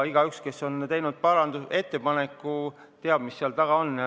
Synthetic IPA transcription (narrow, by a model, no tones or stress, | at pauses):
iɡ̥ɑykske̞sːo̞nt̪ejnud̪̥̚pɑɾɑnd̪use̞t̪ːe̞pɑne̞kːˑu | t̪e̞ɑb̥̚misːeɑlt̪ɑɡ̥ɑonː